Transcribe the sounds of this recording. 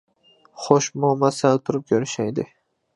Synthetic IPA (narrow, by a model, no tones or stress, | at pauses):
χoʃmɒmasalt̪ʰʊɾɪpjoɾɪʃajd̪ɪ̰